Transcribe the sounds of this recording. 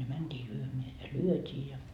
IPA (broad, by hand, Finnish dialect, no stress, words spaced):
jɑ mæntʲiː lyømeæ jɑ lyøtʲiː jɑ